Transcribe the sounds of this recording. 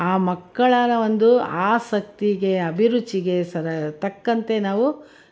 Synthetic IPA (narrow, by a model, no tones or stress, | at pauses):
aːmɐkːɐɭaːnɐʋond̪uaːsɐk̚t̪iɡe̞ɐbʱiɾut͡ʃːiɡe̞sɐɾɐt̪ɐkːɐnt̪e̞naːʋu